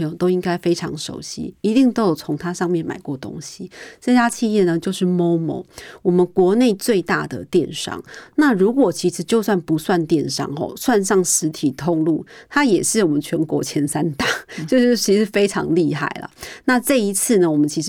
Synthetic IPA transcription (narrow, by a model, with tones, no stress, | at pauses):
ɤ˧ŋjo˨˩t̪o˥ʊi˦˥ŋka˥ɪfe˥ɪʈ͡ʂʰɑ˧˥ŋʂo̰˨˩ʊɕḭ˥i˧˥t̪i˥˧ŋt̪o˥jo˨˩ʊt͡sʰʊ˧˥ŋt̪ʰa˥ʂɑ˥˧ŋmjɛ˥˩nma̰˨˩ɪkwɔ˥˩t̪o̰˥ŋɕi˨ʈ͡ʂɤ˥˩t͡ɕja˥t͡ɕʰi˥˧jɛ˥˩nə˨t͡ɕjo˥˧ʊʂɻ̩˥˩mo˥ʊmo̰˨˧˦ʊwɔ˨˩mə˨˦nkwɔ˧˥ne˥˩˧ɪt͡swe˥˧ɪt̪a˥˩d̪ə̰˩t̪jɛ˥˨nʂɑ̰˥˩ŋna˥˨ɻu˧˥kwɔ˨˩t͡ɕʰi˧˥ʂɻ̩˧˥t͡ɕjo˥˧ʊswa˥˩npu˨˧˥swa˥˧nt̪jɛ˥˨nʂɑ̰˥˩ŋxɔ̰˨˩swa˥˧nʂɑ˥˩ŋʂɻ̩˧˥t̪ʰi˨˩t̪ʰʊ˥˧ŋlu˥˩t̪ʰa˥jɛ˨˩ʂɻ̩˥˩wɔ˨˩mə˦nt͡ɕʰɥɛ˧˥nkwɔ˧˥t͡ɕʰjɛ˧˥nsa˦nt̪a˥˩t͡ɕjo˥˧ʊʂɻ̩˥˩t͡ɕʰi˧˥ʂɻ̩˥˩fe˥ɪʈ͡ʂʰɑ̰˧˦ŋli˥˧xa̰˥˩ɪlə̰˩na˥˧ʈ͡ʂɤ˥˩i˧˦˥t͡sʰɹ̩˥˩nə˩wɔ˨˩mə˦nt͡ɕʰi˧˥ʂ